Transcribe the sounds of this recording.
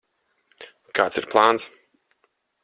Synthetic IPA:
kaːt̪siɾplˠaːns

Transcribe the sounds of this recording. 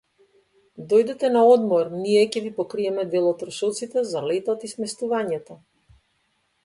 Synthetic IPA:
d̪ɔjd̪ɛt̪ɛnaɔd̪mɔɾniɛcʲɛvipɔkɾiɛmɛd̪ɛlˠɔt̪ːɾɔʃɔt̪sit̪ɛzalɛt̪at̪ismɛst̪uvaɲɛt̪ɔ

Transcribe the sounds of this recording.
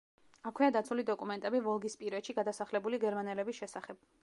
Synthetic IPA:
akʰwiad̪at̪sʰulid̪ɔkʼumɛnt̪ʼɛbivɔlˠɡispʼiɾɛt̪ʃiɡad̪asaχlɛbuliɡɛɾmanɛlɛbisʃɛsaχɛb̥̚

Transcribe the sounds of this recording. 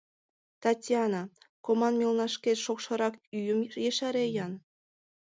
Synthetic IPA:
t̪ɑtʲjɑnɑ | komɑnmʲilnɑʃkeʃokʃɤ̆ɾɑkyjəmjeʃɑɾejɑn

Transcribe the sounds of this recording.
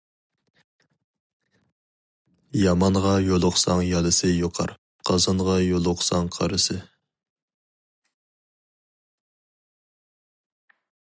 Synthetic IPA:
jɑmɑnʁɑjolˠʊχsɑŋjɑlˠɨsɨjoqʰɑ̰ɾ | qʰɑzɑnʁɑjolˠʊqsɑŋqʰɑ̰ɾɨsɨ

